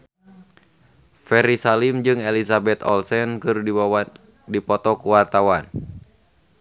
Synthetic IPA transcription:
fɛɾisalimd͡ʒɨŋɛlisabɛt̪ɔ̰lsɛnkɨr | dipɔt̪ɔkuwart̪awan

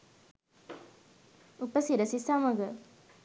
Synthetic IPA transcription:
upəsiɾəsisaməɡə

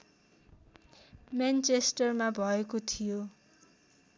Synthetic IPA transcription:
mant͡sesʈʌrmabʱʌekot̪ʰijo

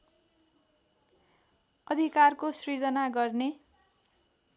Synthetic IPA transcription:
ʌd̪ʱikarkosrid͡zʌnaɡʌrne

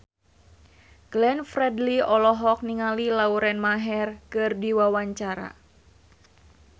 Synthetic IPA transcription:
ɡ̥lɛnfɾɛdliɔlɔɦɔk̚niŋalilauɾɛnmaɦɛrkɨrdiwawaɲt͡ʃaɾa̰

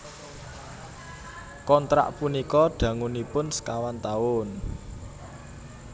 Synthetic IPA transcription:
kɔnt̪ɾa̰ʔpunikɔɖ̥ä̤ŋunipʊnskawant̪aʊn

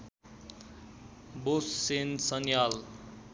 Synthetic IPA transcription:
bosːensʌnjal

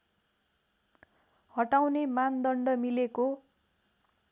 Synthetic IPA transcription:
hʌʈawnemand̪ʌɳɖʌmileko

